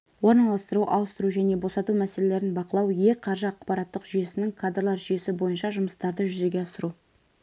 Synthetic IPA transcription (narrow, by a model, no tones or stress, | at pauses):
wo̞ɾnɑlˠɑst̪əɾuʔɑlˠəst̪əɾuʒæne̞bo̞sɑt̪umæsele̞le̞ɾɪnbɑqəlˠɑwje̞qʰɑɾʒəɑqpɑɾɑt̪ːəqʒ̥yje̞sɪnɪŋkʰad̪rlˠɑɾʒʏje̞sɪbo̞jənʃɑʒʊməst̪ɑɾd̪əʒʏze̞ɡʲe̞ɑsəɾu